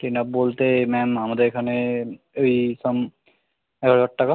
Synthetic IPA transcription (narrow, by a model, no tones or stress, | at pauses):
ʈinapbolt̪emɛmamad̪eɾekʰane | ojsɔm | ɛɡʱaɾɔʈːaka